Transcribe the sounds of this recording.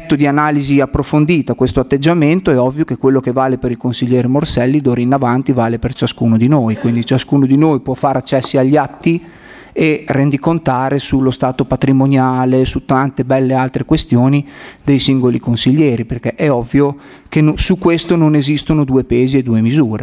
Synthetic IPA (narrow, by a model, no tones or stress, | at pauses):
t̪ːod̪ianaːliziapːɾofond̪iːt̪akwest̪oat̪ːed͡ʒːament̪oɛɔvːjokekːwelːokevaːlepeɾilkonsiʎːɛːɾemorsɛlːid̪oːɾeinavant̪ivaːlepert͡ʃaskuːnod̪inoːjkwind̪it͡ʃaskuːnod̪inoːjpwɔfːaːɾeat͡ʃːɛsːiaʎːat̪ːi | erend̪ikont̪aːɾesulːost̪aːt̪opat̪ɾimonjaːlesut̪ant̪ebɛlːealt̪ɾekwest̪joːnid̪ejsiŋɡolikonsiʎːɛːɾiperk̟eʔɛɔvːjo | k̟ensukːwest̪ononezist̪onod̪uːepeːzied̪uːemizuːɾe